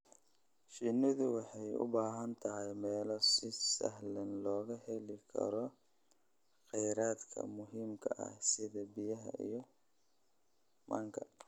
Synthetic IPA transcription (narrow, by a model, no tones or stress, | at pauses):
ʃɪnɪðʊwɑħɑjʊ̰baːɦɐnt̪ʰɐɦɛjmɛːlɔsɪsɐ̰ɦlɐnlɔːɣɐhɛlɪkʰɐ̰ɾɔ | qɛjɾaːd̪kʰɐ̰mʊɦiːmkʰɐʔɐ̰hsɪðɐbɪjɐɦɐ̰ʔḭjɔ | mɐːŋkʰɐ